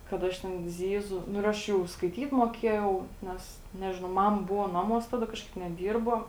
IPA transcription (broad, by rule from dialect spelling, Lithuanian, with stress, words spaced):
kɐt ˈɐʃ tʲɛn ˈzʲiːˌzʊ ˈnʊ ɪr ˈɐʃ jɛʊ skɐɪˈtʲiːt moːˈkʲiɛjɛʊ ˈnʲɛs ˈnʲæːʒʲɪnɐʊ ˈmɑːmɐ ˈbʊʋoː ˈnɑːˌmuɔs ˈtɑːˌdɐ ˈkɑːʃˌkɐɪp nʲɛˈdʲiːrboː